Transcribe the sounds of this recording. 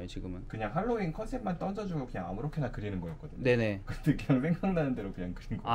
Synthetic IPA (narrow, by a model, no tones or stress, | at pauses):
jot͡ɕiɡɯmɯnkɯɲaŋhaɭːoinkʰʌnsʰe̞p̚mant͈ʌnd͡ʑʌd͡ʑuɡokɯɲaŋamɯɾokʰe̞nakɯɾinɯnɡʌjʌk͈ʌdɯɲne̞ne̞kɯɾʌnde̞kɯɲaŋsʰeŋɡaŋnanɯnde̞ɾokɯɲaŋkɯɾinɡo